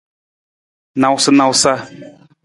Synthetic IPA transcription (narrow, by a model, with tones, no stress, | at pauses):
nã˨wsɨ˦nã˨wsa˦